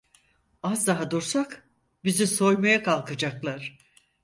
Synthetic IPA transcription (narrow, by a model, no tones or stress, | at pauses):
azd̪aɦad̪oɾsak | biziso̞jmajakʰalˠkʰɯd͡ʒaklˠaɾ̥